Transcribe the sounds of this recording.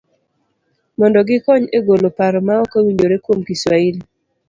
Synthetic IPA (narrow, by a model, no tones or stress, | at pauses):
mɔndɔɡɪkɔɲeɡolopaɾɔmaɔkawiɲd͡ʒoɾekwomkiswaili